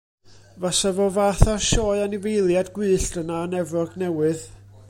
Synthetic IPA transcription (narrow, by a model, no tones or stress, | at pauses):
vasavɔvaːθarʃɔːɨanɪvejlˠjadɡwɨːɬd̥ənaənɛvɔɡnɛwɨð